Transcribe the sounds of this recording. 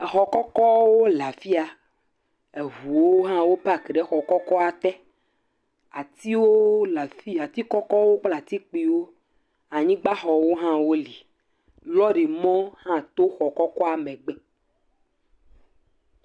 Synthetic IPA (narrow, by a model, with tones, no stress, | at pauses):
ɛ˨xɔ˨kɔ˦kɔ˦wo˦la˨fi˦a˨ | e˨ɦu˨wo˦ɦã˦wo˦pa˦˨ke˨ɖe˦xɔ˨kɔ˦kɔ˦a˨t̪ɛ˦ | a˨t̪i˦wo˦la˨fi˦a˨t̪i˦kɔ˦kɔ˦wo˦k͡pla˨t̪i˦k͡pi˨wo˦ | a˨ɲĩ˦ɡ͡ba˦xɔ˨wo˦ɦã˦wo˦li˨ | lɔ˦ɖi˨mɔ̃˦hã˦t̪o˦xɔ˨kɔ˦kɔ˦a˨mɛ̃˨ɡ͡be˦